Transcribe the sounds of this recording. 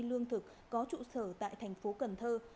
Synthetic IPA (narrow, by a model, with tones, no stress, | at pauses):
lɨ˧əŋt̪ʰɨ˨˩k̚ːɔ˨˦t͡ɕṵ˧˨səː˧˩t̪a̰ː˧˨jt̪ʰɛ˨˩jŋ̟fo˨˦kə˨˧˩nt̪ʰəː˧